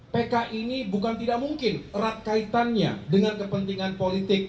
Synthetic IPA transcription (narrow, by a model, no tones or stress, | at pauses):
pekaʔinibukant̪idaʔ̚muŋkɪnrat̪̚kait̪anɲa̰dəŋankəpənt̪iŋanpolit̪ɪk̚